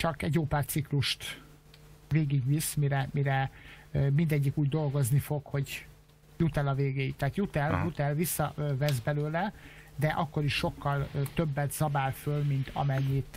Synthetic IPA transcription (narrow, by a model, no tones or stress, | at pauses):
t͡ʃɒkɛɟjoːpaːrsikluʃt̪ | veːɡiɡʋismiɾɛmiɾɛ | mind̪ɛɟːikuːɟd̪o̞lɡo̞znifo̞kho̞ɟ | jut̪ɛlɒveːɡeːjit̪ːɛːt̪jut̪ɛljut̪ɛlvisːɒvɛzbɛløːlɛd̪ɛʔɒkːo̞ɾiʃʃo̞kːɒlt̪øbːɛt̪z̥ɒbaːlfølmint̪ʰɒ̰mɛɲːit̪